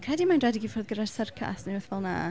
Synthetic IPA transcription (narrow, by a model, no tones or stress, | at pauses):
kʰɛdimajndrɛdiɡifoːrðɡəɾarsərkʰa̰sniwɛθvɔlˠna̰